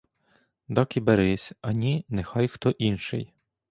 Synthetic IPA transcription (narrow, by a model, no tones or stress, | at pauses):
d̪ɑkibeɾɪsʲɐnʲinexɑjxt̪ɔʔinʃɪ̰j